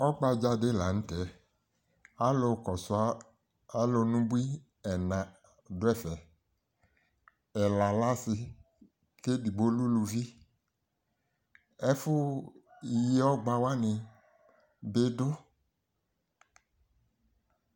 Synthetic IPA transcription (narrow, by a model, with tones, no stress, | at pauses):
ɔ˦ɡ͡ba˦d͡ʒa˦de˦la˨ñ̩˦tɛ˨ | a˦lo˧kɔ˨sʊ˨a˦ | a˨˦lo˧nũ˦bu˦i˦ | ɛ˨nã˨ | dʊ˦ɛ˦˨fɛ˨ | ɛ˨la˨la˦sɪ˧ | ke˦di˨bo˦lu˦lu˧vi˦ | ɛ˦fʊ˦i˨je˦ɔ˦ɡ͡ba˦wa˦nɪ̃˧ | be˦dʊ˦